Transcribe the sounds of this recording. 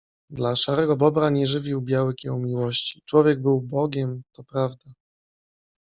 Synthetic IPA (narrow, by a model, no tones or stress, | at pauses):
d̪laʂaɾɛɡɔbɔbɾaɲɛʐɘvʲiwbʲjawɘkʲjɛwmʲiwɔɕt͡ɕi̥t͡ʂwɔvʲjɛɡ̚bɘwbɔɡʲɛmt̪ɔpɾavd̪a